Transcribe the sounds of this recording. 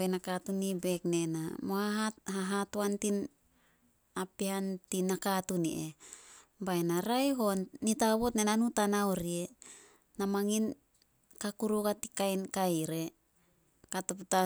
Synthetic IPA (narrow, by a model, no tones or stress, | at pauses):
benakatunibe̞kne̞namohaɦahaɦatoantin | apiantinakatunḭʔe | baenaɾajɦo̞nːitaβo̞tnenanutanawɾie | namaŋin | kakuɾukatikajnkajɾe | katupta